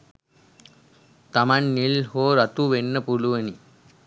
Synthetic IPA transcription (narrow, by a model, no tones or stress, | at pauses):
t̪ɐmɐnnilhoːɾɐt̪uʋenːɐpuluʋɐni